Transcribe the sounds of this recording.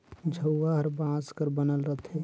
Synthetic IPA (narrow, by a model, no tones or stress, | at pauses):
d͡ʒʱəwːaɦəɾbãskəɾbənəlɾət̪ʰe